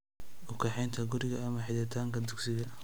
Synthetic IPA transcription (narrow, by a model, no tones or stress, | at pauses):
ʔʊkʰɐħɛjnt̪ʰɐɡʊɾɪɣɐːmɐħɪðɪt̪ʰaːŋkʰɐd̪ʊksɪɣɐ